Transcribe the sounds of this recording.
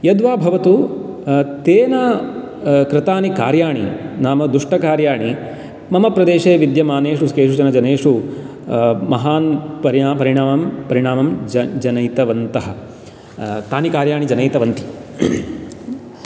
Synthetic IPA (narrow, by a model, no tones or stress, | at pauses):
jɐd̪ʋaːbʱɐʋɐt̪u | t̪eːnɐ | kɾɪt̪aːnikaːɾjaːɳḭnaːmɐd̪ɾuʂʈɐkaːɾjaːɳi | mɐmɐpɾɐd̪eːʃeːʋid̪jɐmaːneːʂuskeːʂud͡ʒɐnɐd͡ʒɐneːʂu | mɐɦaːnpɐɾiaːpɐɾiɳaːmɐmpɐɾiɳaːmɐmd͡ʒɐnɐjt̪ɐʋɐnt̪ɐɦɐ̆ | t̪aːnikaːɾjaːɳid͡ʒɐnɐjt̪ɐʋɐnt̪i̥